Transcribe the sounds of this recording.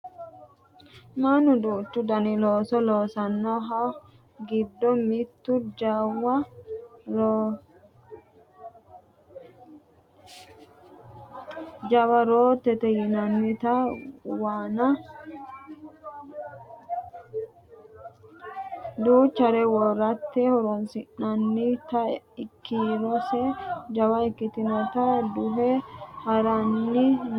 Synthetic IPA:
manʊd̪uːt̪ːʊd̪ɐnɪloːsɔloːsɐnːɔɦɐ | ɡɪd̪ːɔmɪt̪ːʊd͡ʒawɐ | d͡ʒɐwɐɾoːt̪ːɛt̪ɛjɪnɐnːɪt̪ɐwaːnɐ | d̪uːt͡ʃːɐɾɛwɔɾɐt̪ːɛhɔɾɔnsɪnɐnːɪt̪ɐɪkːiɾɔsɛd͡ʒɐbɐɪkːɪt̪ɪnɐt̪ɐd̪ʊɦɛhɐɾɐnːɪ

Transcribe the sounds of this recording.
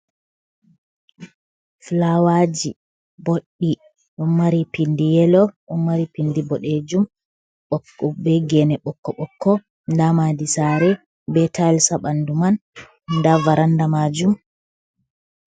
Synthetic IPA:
flawad͡ʒi | boɗːi | ɗɔnmaɾipindijɛlɔɗɔnmaɾipindibɔɗed͡ʒum | ɓɔɔbɛɡɛnɛɓɔkːɔɓɔkːɔ | ndamadisaɾɛ | bɛtʰaɛlsaɓanduman | ndavaɾandamad͡ʒum

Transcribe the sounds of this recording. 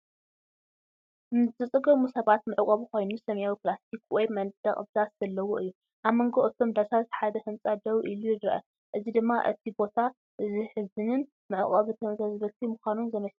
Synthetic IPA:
zɨt͡sʼɨɡɐmusɐβat̪mɨʕkʼɐβuko̞jnusɐmjawiplast̪ʰikwɔjmɐnd̪̥ɐχʼɨbd̪asz̥ɐlːɐwoʔɨjːu | ʔaβmɐŋɡoʔʼɨt̪ʰomd̪asat̪ħad̪ɐhɨmt͡sʼad̪ɐβʔilujɪd̪ɾɐʔɐ̰ | ʔɨzid̪ɨmːaʔɨt̪ʰibo̞t̪ʰa | ʔɨziħɨzɨnɨn | mɨʕɨχʼɐβɨt̪ʰɐmzɐzbɐt̪ʰimɨxʷanunzɨmɐs

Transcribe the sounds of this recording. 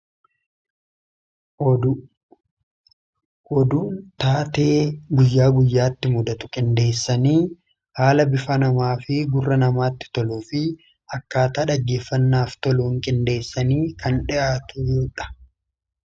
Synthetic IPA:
ɔd̪uːnt̪aːt̪e̞ːɡʊjːaːɡʊjːaːt̪ːɪmʊd̪ɐt̪ʊ̥kʼɪnd̪e̞ːsːɐniː | haːlɐbɪfɐnɐmaːfɪɡʊrːɐnɐmaːt̪ːɪ̥t̪ɔluːfɪ | ɐkːaːt̪aːᶑɐɡːe̞ːfːɐnːaːft̪ɔluːŋkʼɪnd̪e̞ːsːɐniːkɐnᶑɪʔaːt̪ʊjuːᶑɐ̥

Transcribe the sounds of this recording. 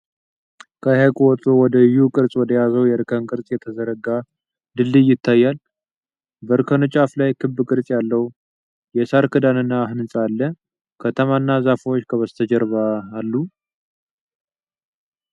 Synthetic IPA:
kʰəhakʼuwɔt̪ʼuwɔd̪əɨjːukʼɨɾsʼwɔd̪əjazəwjɛɾɨkʰənkʼɨɾsʼjɛt̪ʰəzəɾəɡa | d̪ɨlːɨjɪt̪ʰːajːal | bəɾɨkʰənɨt͡ʃʼaflajkʰɨbːɨkʼɨɾsʼjalːəwu | jɛsaɾkʰɨd̪anɨnːaɦɨnɨsʼalːə | kʰət̪ʰəmanːazafwot͡ʃːkʰəβəst̪ʰəd͡ʒɛɾβaːlːu

